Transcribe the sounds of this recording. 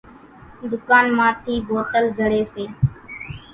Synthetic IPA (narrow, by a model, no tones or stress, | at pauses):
d̪ʊkaːnmãːt̪ʰiːboːt̪əlzəɽeːseː